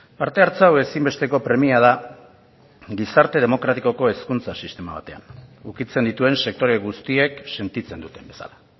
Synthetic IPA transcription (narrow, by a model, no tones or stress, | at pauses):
paɾt̪e̞aɾt͡sawe̞simbe̞st̪e̞ko̞pɾe̞miað̞a | ɡisaɾt̪e̞ð̞e̞mo̞kɾat̪iko̞ko̞e̞skunt͡sasist̪e̞maβa̰t̪e̞a̰nukit͡se̞nd̪it̪ue̞nse̞k̚t̪o̞ɾe̞ɣust̪ie̞kse̞nt̪it͡se̞nd̪ut̪e̞mbe̞sa̰la